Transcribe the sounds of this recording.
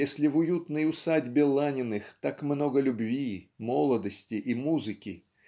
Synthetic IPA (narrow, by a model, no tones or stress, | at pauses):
esʲlʲɪvʊjut̪nɨjʊsadʲbʲɪlˠanʲɪnɨxt̪akmno̞ɡəlʲʊbvʲimolˠəd̪əsʲtʲɪʔimuzɨkʲɪ